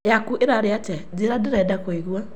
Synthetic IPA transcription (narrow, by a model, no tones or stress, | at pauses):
jakuʔeɾaɾeatɛd͡zeɾadɛɾɛdakoiɣwa